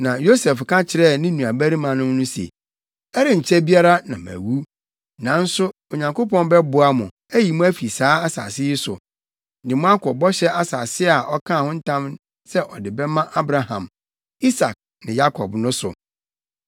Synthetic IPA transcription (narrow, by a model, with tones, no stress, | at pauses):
nã˨jo˦sɛ˨fkʰã˦t͡ɕʰɪ˨ɾɛ˦˨nɪ̃˦nũ˨a˨bæ˦ɾi˦mã˨nʊ̃˦m˦nʊ̃˦sḛ˨ | ɛ˦ɾɪ̃˨ɲ̩˨t͡ɕʰɛ˦bi˦a˦ɾa˦nã̰˨mæ̰˨wu˦ | nã˨n̩˦sʊ˦ | o˨ɲã˨ŋko˦pɔ̃˦nbɛ˦bʊ˨a˦mʊ̃˨ | æ˦ji˨mʊ̃˦æ˦fi˨saː˦a˦sa̰˨sɪ˦jɪ˦sʊ̰˨ | dɪ˨mʊ̃˦a˦kɔ˨bɔ˦ɕɛ˦ʔa˦sa˨sɪ˦a˨ʔɔ˦kʰã˦˨hʊ̃˦n̩˦tʰã˦m | sɛ˦ʔɔ˨dɪ˨bɛ˦mã˦ʔa˦bɾa˨hã̰˨m | i˦sa˨k̚ | nɪ̃˨ja˦kʰɔ̰˨bnʊ̃˦sʊ̰˨